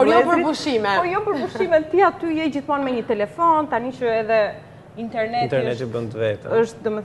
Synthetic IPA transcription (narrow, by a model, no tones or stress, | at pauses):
ɔjɔpəɾbuʃimɛɔjɔpəɾbuʃimɛt̪iat̪yjɛjd͡ʑiθmɔnmɛɲət̪ɛlɛfɔnt̪aniʃəɛðɛ | int̪ɛɾnɛnt̪ɛɾnɛt̪əbənt̪əvɛt̪ə̰əʃt̪d̪ɔmɛθ